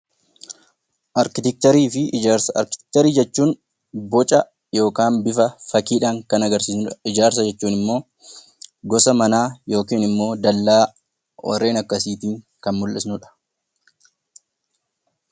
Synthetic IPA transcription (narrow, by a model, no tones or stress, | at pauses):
ʔɐɾkɪt̪ɛk̚t̪ɐɾiːfɪd͡ʒaɾsɐ̰ɾkɪ̥t̪ɛ̥k̚t̪ɐɾiːd͡ʒɛt͡ʃːuːn | bɔt͡ʃʼɐ | jo̞ːkaːnbɪfɐfɐkiːᶑaːŋkɐnɐɡɐɾsiːsnɐɪd͡ʒaːɾs̬ɐd͡ʒɛt͡ʃːuːnɪmːo̞ː | ɡɔsɐmɐnaːjo̞ːkiːnɪmːo̞ːd̪ɐlːaː | wɐ̰rːe̞ːnɐkːɐsiːt̪iːŋ | kɐnmʊlːɪsnʊᶑɐ̥